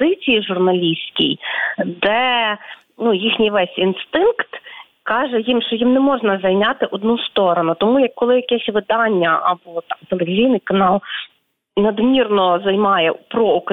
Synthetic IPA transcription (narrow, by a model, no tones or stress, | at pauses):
d̪ɪt͡sʲijiʒʊrnɐlʲisʲkʲḭjd̪ɛ | nujixnʲijʋɛsʲinst̪ɪnkt̪ | kɑʒɛjimʃt͡ʃɔjimnɛmɔʒnɐzɐjnʲɑt̪ɪʔɔd̪nust̪ɔɾɔnʊt̪ɔmujɐkːɔlˠɪjɐkɛsʲʋɪd̪ɑnʲːɐʔɐbɔt̪ɑmt̪elˠeʋʲizʲijnɪjkɐnɑlˠ | nɐd̪mʲirnɔzɐjmɑjɛpɾɔʊk